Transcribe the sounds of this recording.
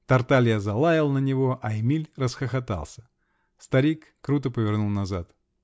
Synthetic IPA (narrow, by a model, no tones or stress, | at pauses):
t̪ɐrt̪alʲjazɐlˠajɪlˠnənʲɪvo̞ʔɐɪmʲilʲrəsxəxɐt̪a̰lˠsʲə̥ | st̪ɐɾʲikːɾut̪əpəvʲɪrnulˠnɐzat̪